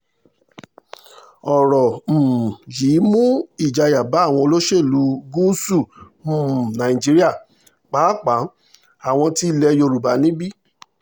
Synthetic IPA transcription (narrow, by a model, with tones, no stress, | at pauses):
ɔ˨ɾɔ˨m̩˨jiː˨˦mũ˦i˦˨d͡ʒa˧ja˨ba˨˦˨w̃ɔ̃˧o˧lo˦ʃe˦˨lu˨˦ɡu˦su˦˨ | nã˨ĩ˨d͡ʒi˨˦ɾi˦a˦˨ | k͡pa˨˦k͡pa˨˦ | a˨w̃ɔ̃˧ti˧˦˧lɛ˧jo˧ɾu˨ba˨˦nĩ˦bi˦